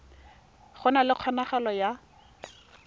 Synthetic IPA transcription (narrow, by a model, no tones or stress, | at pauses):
χʊnalɪq͡χʰɔnaχalɔja